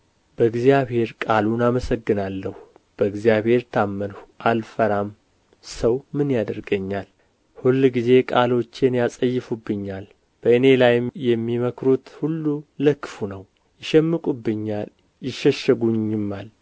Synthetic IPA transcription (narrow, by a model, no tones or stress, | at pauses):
bəɨɡzjaβhe̞ɾkʼalunaməsəɡːɨnalːəhu | b̥əɨɡzijaβhe̞ɾt̪ʰamːənhuʔalfəɾam | səwmɨnjad̪əɾɡəɲːal | hulːɡize̞kʼalo̞t͡ʃːenjasʼəjːɪfubːɨɲːal | b̥əɨne̞lajɪmjɛmːiməkɾut̪hulːuləkːɨfunəw | jɪʃɛmːɨkʼubːɨɲːal | jɪʃɛʃəɡuɲːɪmːal